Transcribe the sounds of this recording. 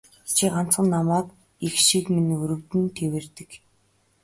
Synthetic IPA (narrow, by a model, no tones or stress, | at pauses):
t͡ɕʰiːɢan̥t͡sɢə̆nːamaːt̪ | ixʃikminʲuɾɵ̆wt̪ɘ̆nt̪ʰewĕrt̪ɘ̆k